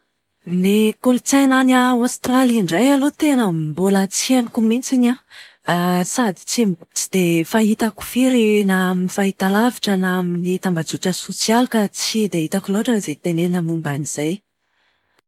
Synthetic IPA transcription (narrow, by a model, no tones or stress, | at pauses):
nekolut͡sananaast̪raliaɳɖ͡ʐajalot̪enəmbolat͡sianikumint͡sina | sad̪i̥t͡sit͡sid̪̥efaɦit̪aku̥fiɾinaminifait̪alaviʈ͡ʂənaminit̪ambad͡zuʈ͡ʂəsosialukat͡sid̪eit̪akuloʈ͡ʂənzet̪enenəmumbaniz̥aj